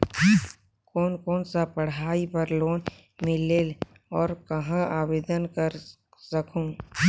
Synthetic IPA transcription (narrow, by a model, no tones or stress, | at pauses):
kɔːnkɔːnsapəɽ̤aːipəɾloːn | mɪ̃leːl | ɔːɾkɐɦãaːʋeːd̪ənkəɾ | səkʰũ